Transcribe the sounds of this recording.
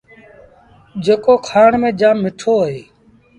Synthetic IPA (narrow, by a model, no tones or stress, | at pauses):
d͡ʒeːkoːkʰaːɳmẽːd͡ʒaːnmɪʈʰoːeː